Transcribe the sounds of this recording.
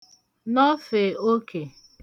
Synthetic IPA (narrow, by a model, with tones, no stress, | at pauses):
nɔ˦fe˨o˦kʰe˨